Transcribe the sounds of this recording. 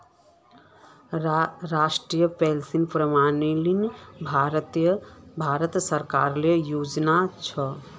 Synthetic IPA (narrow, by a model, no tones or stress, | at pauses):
ɾasʈɾijəpɛlsinpɾəmanilinbʱaɾt̪jəbʱaɾət̪səɾkaɾlejud͡ʒnat͡ʃʰɔ